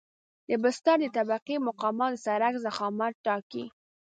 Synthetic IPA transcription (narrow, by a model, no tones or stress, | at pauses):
d̪əbʊst̪ɑɾd̪ət̪abaqimʊqɑmɑəsaɾakzaxɑmaʈːɑki